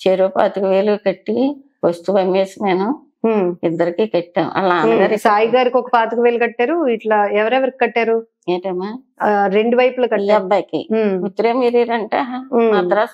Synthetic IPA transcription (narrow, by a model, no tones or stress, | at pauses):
t͡ʃeɾoːpa̰ːt̪ɐkuʋeːlukɐʈːi | pɐst̪ubɐmːeːsine̞ːnu | id̪ːɐɾikiːkɐʈːaːnṵʔɐ̰laːnɡɐɾisaːjiɡaːɾikɔkɐpaːt̪ɐkuʋeːlɐkɐʈːaːɾuiʈlɐɛʋɐɾɛʋɐɾikikɐʈːaːɾu | eːɳʈɐmaː | ɾeɳɖuʋɐjpulɐkɐɐbɐkḭut̪ːɐɾeːmiːɾiːɾɐɳʈaːɦmat̪ɐɾaː